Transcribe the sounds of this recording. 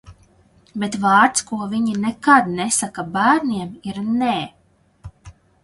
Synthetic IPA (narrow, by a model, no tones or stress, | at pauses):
bet̪vɑːɾt̪skuɔviɲinɛkad̪nɛsakabæːɾnʲiɛmiɾneː